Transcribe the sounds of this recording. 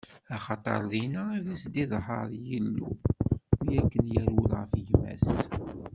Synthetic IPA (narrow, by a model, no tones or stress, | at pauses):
ɑχɑt̪ˤɑ̰ɾˤðˤinæðæsd̪iðˤɦɑɾˤjəlːṵ | jækːənjæɾulʁəfʝmæ̰s